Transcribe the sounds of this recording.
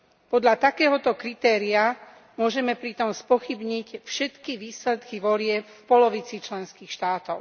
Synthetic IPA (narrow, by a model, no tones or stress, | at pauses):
pɔd̪ʎat̪akɛːɦɔt̪ɔkɾit̪ɛːɾia | mʊɔʒɛmɛpɾit̪ɔmspɔxibɲicfʃɛt̪kiʋiːslɛt̪kiʋɔlɪɛpfpɔlɔʋit͡sit͡ʃlɛnskiːxʃt̪aːt̪ɔʊ